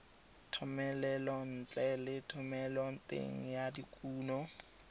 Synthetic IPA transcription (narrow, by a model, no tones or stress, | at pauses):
tʰɔmɛlɛlɔn̩t͡ɬʼɛlɪtʰʊmɛlɔn̩tʼḛŋ̩jadikʼuːnɔ